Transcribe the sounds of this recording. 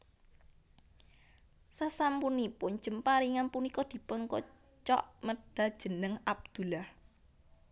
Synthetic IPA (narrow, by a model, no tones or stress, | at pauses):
sasampunipʊn̥d͡ʒ̥ə̤mpaɾiŋanpunikɔd̪̥i̤pʊnkɔ | t͡ʃɔ̰ʔməɖ̥a̤̥ʒ̥ə̤nəŋab̚d̪̥ṳlah